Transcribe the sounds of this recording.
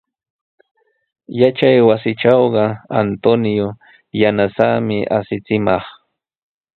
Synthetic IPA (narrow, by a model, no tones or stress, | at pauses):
jat͡ʃajwasɪʈ͡ʂɑwɢɑa̰nt̪onjo | janasamɪʔa̰sɪt͡sɪmɑχ